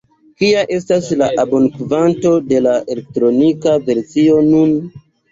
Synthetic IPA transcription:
kiaʔe̞staslaʔabonkvanto̞de̞laʔelek̚tɾo̞nikave̞ɾsio̞nun

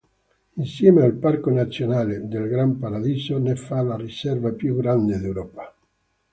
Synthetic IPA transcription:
insjɛːmealparkonat̪sːjonaːled̪elɡɾampaɾad̪iːsonefalarisɛrvapjuɡɾand̪ed̪ewɾɔːpḁ

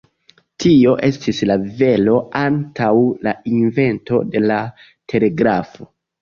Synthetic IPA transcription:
tio̞ʔe̞stislave̞lo̞antawlainve̞nto̞̰de̞la | tʰe̞le̞ɡɾafo̞

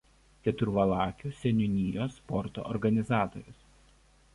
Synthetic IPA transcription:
kʲɛt̪ʊɾʋɐlˠɑːkʲusʲɛnʲʊnʲɪjoːspɔɾt̪o̰ːʔɔɾɡɐnʲɪzɑːt̪o̰ːɾʲʊs

